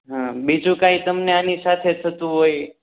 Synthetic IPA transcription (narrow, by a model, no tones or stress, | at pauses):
ɦãbid͡ʒũkait̪əmneanisat̪ʰet̪ʰət̪ũɦoj